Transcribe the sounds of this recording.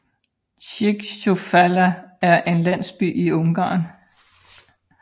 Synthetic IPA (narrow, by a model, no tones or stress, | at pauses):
ɕʰiɡ̥ɕofælɐæɐʔe̝nlæn̰sb̥y̰ːiɔ̽ŋɡ̥ɑ̰̈ːn